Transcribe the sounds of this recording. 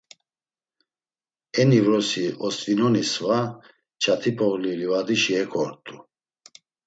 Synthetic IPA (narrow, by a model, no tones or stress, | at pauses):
ɛnivɾɔsiɔst̪vinɔnisva | t͡ʃʰat̪ʰipʰɔɣlilivad̪iʃiɛkʰɔɾt̪ʼu